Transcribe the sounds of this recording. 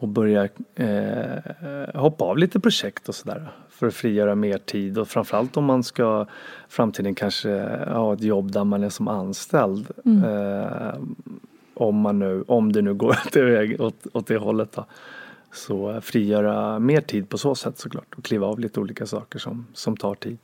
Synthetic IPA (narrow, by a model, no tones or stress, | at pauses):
ɔbœɾja | hɔpːaɑːvliːt̪əpʰɾʊʂɛkt̪ɔsɔd̪æ̰ːɾafœɾɔfɾiːjœːɾameːʈʰiːd̪ɔfɾaɱfœɾalt̪ɔmːanskafɾamt̪ʰiːd̪ənkʰanʂə̰hɑːɛt̪jɔbːd̪æɾmanɛsɔmanst̪ɛld̪ | ʔɔmːanːʉ̟ːʔɔmd̪ɛnʉ̟ːɡoːɾt̪ɛvɛːɡɔt̪ɔt̪̚d̪ɛɦɔlːət̪̚d̪ɔ | sɔfɾiːjœːɾameːʈʰiːd̪̚pʰɔsoːsɛt̪ːsɔkʰlɑ̰ːʈɔkʰliːvaɑːvliːt̪əuːliːkasɑ̰ːkəʂɔ̰msɔmt̪ʰɑːʈʰiːd̪